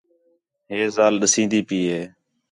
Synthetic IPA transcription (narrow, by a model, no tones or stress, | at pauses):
ɦeːzaːlɗəsĩːnd̪iːpiːɦeː